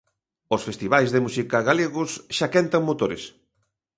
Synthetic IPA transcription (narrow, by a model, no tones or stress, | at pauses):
osfest̪iβajzðemusikaɣaleɣʊsʃakɛnt̪aŋmot̪oɾḛs